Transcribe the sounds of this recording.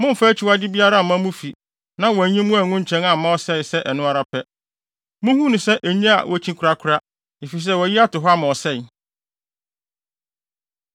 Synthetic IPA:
mʊ̃˦m̩˨fæː˦t͡ɕʰi˨wa˦dɪ˦bi˦a˦ɾa˦˨mã˦mũ˦fi˨ | nã˦wɔ˨æ˨ɲĩ˦mʊ̃˦æ˨ŋʊ̃˦ɲ̩˦t͡ɕʰɛ̃˦nã˨m̩˨mã˦ɔ˦sɛ˦˨sɛ˦ʔɛ˨nʊ̃˦a˦ɾa˦pʰɛ˦ | mʊ̃˦hũ˦nʊ̃˨sɛ˦ʔæ˨ɲĩ˦a̰˨wɔ˨t͡ɕʰĩ˦kʰʊ˨ɾa˦kʰʊ˨ɾa˦ | e˨fi˨s̬ɛ˦˨wɔ˨ji˦a˦tʊ˨ɦɔ˦a˦mã˨ɔ˨sɛ˦˨

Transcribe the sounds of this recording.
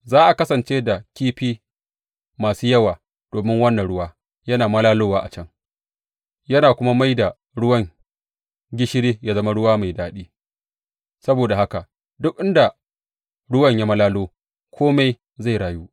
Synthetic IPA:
zaː˦ʔa˨kɐ˦sɐ˨nt͡ʃeː˦da˨kʲiː˦ɸiː˦ | maː˨suː˦jɐ˦waː˨ | d̥oː˨mɪ˦ŋwɐ˦nːɐ˨nɽʊ˦waː˦ | jɐ˦naː˨mɐ˦laː˦loː˦waː˦˨ʔa˨t͡ʃɐ˦˨ŋ | jɐ˦naː˨kʷʊ˦ma˦ma˦jda˨ | ɽʊ˦wɐ˦ŋ | ɡʲɪ˦ʃɪ˦ɽeː˦jaː˦zɐ˦ma˦ɽʊ˦waː˦ma˨jdaː˦ɗiː˦ | sɐ˦boː˨da˨ha˦ka˨ʔ | dʊ˦k̚ʔɪ˦nda˨ | ɽʊ˦wɐ˦˨ɲja˦mɐ˦laː˦loː˦ | kʷʰoː˦ma˦j | za˦˨jɾaː˨juː˦

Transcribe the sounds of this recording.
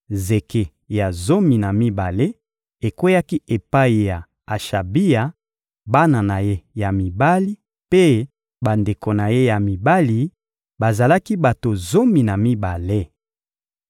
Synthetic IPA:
ze˨ke˨ | ja˨zo˦mi˨na˨mi˦ba˨le˦ | e˨kwe˦ja˦ki˦ʔe˨pa˦i˨ja˨ | a˨ʃa˨bi˦ja˨ | ba˦na˨na˨je˦ja˨mi˨ba˦li˦ | pe˦ | ba˨nde˨ko˨na˨je˦ja˨mi˨ba˦li˨ | ba˨za˨la˦ki˦ba˨to˨zo˦mi˨na˨mi˦ba˨le˦

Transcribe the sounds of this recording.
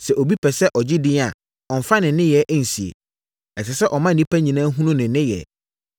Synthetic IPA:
sɛ˨ʔo˨bi˦pʰɛ˨sɛ˦ʔɔ˨d͡ʑɪ˦dɪ̃˦a˨ | ɔ˨m˨fa˦nɪ̃˨n˦nɪ̃˦jɛ˨ʔæ˦n̩˨si˨ḛ˨ | ɛ˨sɪ˨sɛ˦ʔɔ˨mã˦n̩˨nĩ˦pʰæ˦ɲĩ˨nãː˦ɦũ˦nʊ̃˦nɪ̃˨˦nɪ̃˦jɛ̰˨

